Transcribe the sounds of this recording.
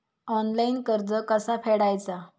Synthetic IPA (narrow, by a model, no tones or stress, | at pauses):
ɔnlainkəɾd͡zəkəsafeɽajt͡sa